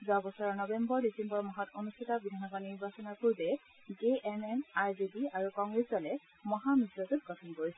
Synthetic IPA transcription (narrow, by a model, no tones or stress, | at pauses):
zabɔsɔɹɔnɔbɛmbɔɹdisɛmbɔɹmɔɦɔtonustʰitabidʱanɔɡɔniɹbasɔnɔkuɹbɛ | ɡeʔɛmɛmaɹzibiaɹukɔŋɡɹeszɔlɛ | mɔɦamisɔtut̚ɡɔtʰɔnkoɹisɛ